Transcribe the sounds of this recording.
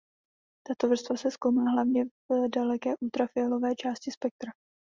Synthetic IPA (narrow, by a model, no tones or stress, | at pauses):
t̪at̪ovr̩st̪vasɛskowmalaɦlavɲɛvdalɛkɛːʔuːt̪ɾafɪɛlo̞vɛːt͡ʃaːscɪspɛk̚t̪ɾa